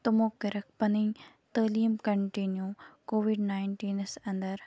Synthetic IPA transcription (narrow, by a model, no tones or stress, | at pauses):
t̪ʊmoːkɪɾɐk̚ʰpɐnĩː | t̪əːliːmkɐɳʈinjuːkoːʋiɖnaːɪɳʈiːnsɐ̃nd̪əɾ